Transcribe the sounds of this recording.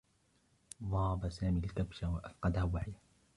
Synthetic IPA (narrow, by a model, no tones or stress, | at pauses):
ðˤɑːbasaːmilkabʃawaʔafqɑd̪ahawaħja